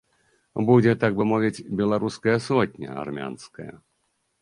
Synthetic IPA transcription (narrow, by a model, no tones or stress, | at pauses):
bud͡zʲɛt̪aɡbɨmɔvʲit͡sʲbʲɛlˠaɾuskɐjɐsɔt̪̚ʲnʲɐ̰a̰rmʲa̰nskɐjɐ̰